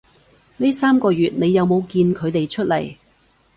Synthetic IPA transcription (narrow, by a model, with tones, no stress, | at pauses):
niː˥saː˥mkɔː˧ɥyː˨t̚ne˨˧jːɐ˨˧wmo˨˧wkiː˧nkʰɵ˨˧ɥt̪e˨jt͡ʃʰɵ˥t̚lɐ̰˨˩j